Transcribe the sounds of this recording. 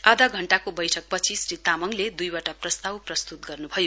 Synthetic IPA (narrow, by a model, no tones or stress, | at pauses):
ad̪ʱaɡʱʌɳʈakobʌjʈʰʌk̚pʌt͡sʰisɾit̪amʌŋled̪ujwaʈaprʌst̪awprʌst̪ut̪̚ɡʌrnubʱʌjo